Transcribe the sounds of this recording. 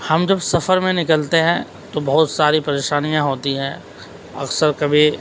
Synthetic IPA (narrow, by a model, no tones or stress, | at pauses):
hɐmd͡ʒɐbsɐfəɾmẽnɪkəlt̪eɦɛ̃ | t̪obɐɦʊt̪saːɾipɐɾeːʃaːnijãɦoːt̪iɦɛ̃ː | ɐ̰ksəɾkɐbʱi